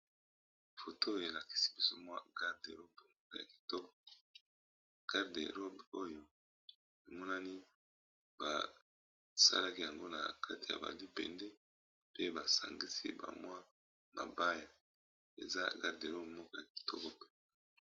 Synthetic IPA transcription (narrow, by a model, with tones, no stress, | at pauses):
fo˨tʰo˦˨e˨la˨ki̥˦si̥˦bi˨so˦mwa˦ɡa˦ʁde˨ʁo˦bmɔ˦kɔ˦ja̰˨ki̥˨tɔ˦kɔ˦ | ɡ̥a˦ʁdḛ˨ʁo˦bo˦jo˦ | e˨mɔ˦na˦ni˦ | b̥a̰˨ | sa̰˦la˦ki˦ja˨ŋɡo˦na̰˨kʰa˦ti˨ja̰˨ba̰˨li˦pɛ̰˨ndɛ˦ | pe˦ba˨sa̰˨ŋɡi˦sḭ˦ba̰˨mwa˦ | na̰˨ba˦ja˨ | ḛ˨za̰˦ɡa˦ʁde˨ʁo˦bmɔ˦kɔ˦ja˨ki̥˨tʰɔ̰˦kɔ˦pɛ̥˦